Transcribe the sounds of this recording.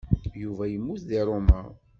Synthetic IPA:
juvæjəmːuθðiɾˤomæ

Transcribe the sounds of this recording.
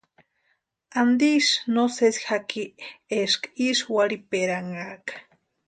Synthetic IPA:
and̪iʃnosesxakieʃkaiʃwaɽipeɾaŋakḁ

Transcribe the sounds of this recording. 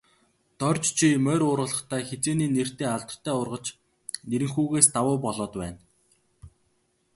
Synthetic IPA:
t̪œrʲt͡ɕt͡ɕʰimœːɾʊːɾʁə̆ɮə̆χt̪ʰæːxet͡seːniːner̥t̪eːaɮt̪ə̥̆t̪ʰːæːʊrʁə̆t͡ɕ | neɾɘ̆ŋxuːɣeːst̪awʊːpɔɮɔːt̪pæ̰ːn

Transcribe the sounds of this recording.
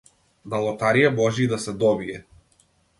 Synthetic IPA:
d̪alˠɔt̪aɾijɛbɔʒiːd̪asɛd̪ɔbiɛ

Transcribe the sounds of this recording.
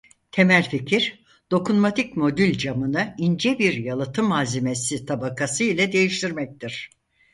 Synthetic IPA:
t̪ʰe̞mælʲficʰiɾ̥ | d̪̥o̞kunmat̪ʰicmo̞d̪ylʲd͡ʒamɯnɯind͡ʒɛbiɾjalˠɯt̪ʰɯmaːzime̞sit̪ʰabakʰasɯjlʲˠad̪e̞jiʃt̪ʰiɾmɛc̚t̪ʰiɾ̥

